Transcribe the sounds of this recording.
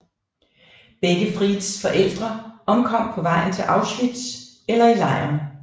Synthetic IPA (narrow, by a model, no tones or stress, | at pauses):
b̥eɡ̥əfʁið̩ˠsfɒ̽ʔel̰d̥ʁɐɒ̽mkʰɒ̽m̰pʰɒ̽ʋɑ̈ɪ̰n̩t͡sʰe̝lʔɑ̈ʊslyd̥s | elɐilɑ̈ɪ̰ɐn